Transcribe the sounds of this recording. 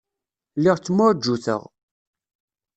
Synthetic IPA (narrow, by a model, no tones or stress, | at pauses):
lːɪʁt͡sːmʊd͡ʒːuθə̰ʁ